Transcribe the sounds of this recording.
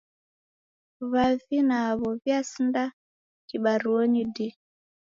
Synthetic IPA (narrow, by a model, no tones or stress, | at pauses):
βavinaːβɔβjasinda | kiɓaɾuɔɲidi